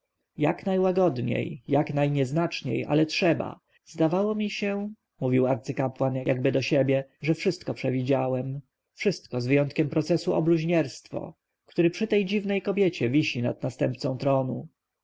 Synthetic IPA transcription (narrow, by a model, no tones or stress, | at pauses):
ja̰knajwaɡɔd̪ɲḛjjaknajɲɛznat͡ʂɲḛjʔa̰lɛtʂɛba̰ | zd̪avawɔmʲiɕɛ | muvʲiwaɾt̪sɘkapwanjja̰ɡ̚bɘd̪ɔɕɛbʲjɛʐɛfʂɘst̪kɔpʂɛvʲid͡ʑawɛm | fʂɘst̪kɔzvɘjɔnt̪kʲɛmpɾɔt̪sɛsuʔɔ̰bluʑɲɛɾst̪fɔ̰ | kt̪uɾɘpʂɘt̪ɛjd͡ʑivnɛjkɔbʲjet͡ɕɛvʲiɕina̰d̪̚nast̪ɛmp̚t̪sɔ̃t̪ɾɔnu